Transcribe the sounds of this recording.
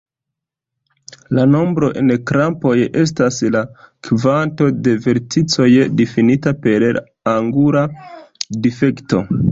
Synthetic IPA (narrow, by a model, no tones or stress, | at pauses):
lano̞mbɾo̞ʔe̞nkɾampo̞je̞s̬taslakvanto̞de̞ve̞ɾtit͡so̞jdifinitape̞ɾɾ | aŋɡuɾa | dife̞kto̞̰